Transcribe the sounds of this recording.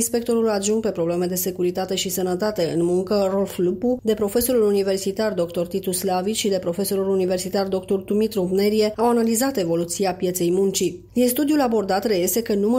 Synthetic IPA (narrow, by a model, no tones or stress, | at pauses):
nspe̞k̚t̪o̞ɾulaʒuŋɡ̚pe̞pɾo̞ble̞me̞d̪e̞se̞kuɾit̪at̪e̞ʃisənət̪at̪e̞ɨ̰nmuŋkərolflupud̪e̞pɾo̞fe̞so̞ɾulunive̞rsit̪ard̪o̞kt̪o̞rt̪it̪uslaviʃid̪e̞pɾo̞fe̞so̞ɾulunive̞rsit̪ard̪o̞kt̪ord̪umit̪ɾubne̞ɾie̞awanalizat̪e̞vo̞lut̪siapje̞t̪se̞jmunt͡ʃi | d̪inst̪ud̪iulabo̞rd̪at̪reje̞se̞kənumə